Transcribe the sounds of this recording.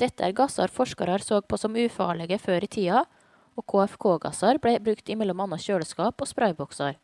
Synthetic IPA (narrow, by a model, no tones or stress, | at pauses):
d̪̥ɛt̪ːəæ̰ɾɡɑsɑ̰ɾfɔʂkɑɾɑɾsoːɡ̚pʰoːsɔmʉːfɑ̰ːɭɛɡəføːɾit̪ʰiːɑ | oːkʰoːɛfkʰoːɡɑ̰sɑɾbɽɛbɾʉkt̪ɪmɛlɔmɑnːɑʃøːlskɑːpoːspɾʔɑɪbɔksɑɾ